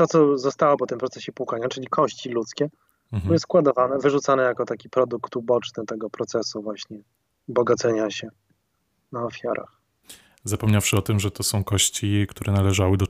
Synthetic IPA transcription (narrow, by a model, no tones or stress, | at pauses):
t̪ɔt̪sɔzɔst̪awɔpɔt̪ɘmpɾɔt̪sɛɕɛpukaɲat͡ʂɘlʲikʰɔɕt͡ɕilut̪skʲɛ | jɛskwad̪ɔvanɛvɘʐut̪sanɛjakɔt̪akʲipɾɔd̪ukt̪ubɔt͡ʂnɘt̪ɛɡɔpɾɔt̪sɛsuvwaɕɲɛ | bɔɡat̪sɛɲaɕɛ | naɔfʲjaɾʔa̰x | zapɔmɲafʂɘɔt̪ɘmʐɛt̪ɔsɔ̃w̃kɔɕt͡ɕikt̪uɾʔɛnalɛʐawɘd̪ɔ